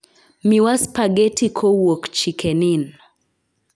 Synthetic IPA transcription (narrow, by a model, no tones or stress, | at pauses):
miwaspaɡɛtʰikʰɔwɔkt͡ʃikʰɛnin